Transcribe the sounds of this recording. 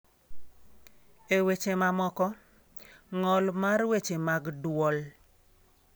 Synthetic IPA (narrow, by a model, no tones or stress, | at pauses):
ewet͡ʃemamɔkɔ | ŋɔlmarwet͡ʃemaɡdwɔl